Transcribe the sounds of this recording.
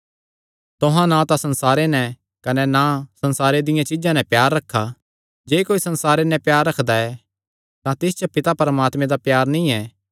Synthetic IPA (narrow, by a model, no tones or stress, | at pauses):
t̪ʊɦãnãt̪ãsɐ̃nsaːɾenɛ | kɐnɛnasɐ̃nsaːɾed̪ɪjãt͡ʃɪd͡ʒãnɛ̃pjaːɾːɐkʰːa | d͡ʒeːkoːisɐ̃nsaːɾenɛ̃pjaːɾːɐkʰd̪aɛ | t̪ãt̪ɪst͡ʃopɪt̪apɐɾəmaːt̪mẽd̪apjaːɾnĩɛː